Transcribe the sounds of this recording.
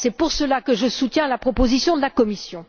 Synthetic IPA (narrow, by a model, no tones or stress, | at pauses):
sɛpuʁsəlakəʒəsut̪jɛ̃lapχɔpozisjɔ̃d̪əlakɔmisjɔ̃